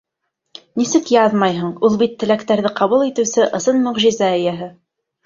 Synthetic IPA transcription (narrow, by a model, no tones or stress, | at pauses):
nisɘkjɑðmɑjɦɤ̆ɴulˠbit̪ʰːɘ̆lækt̪æɾðɘqɑβulˠit̪ɘ̆wsɘʔɤ̆sɤnmɵ̆ʁʒizæɘ̆jæɦɘ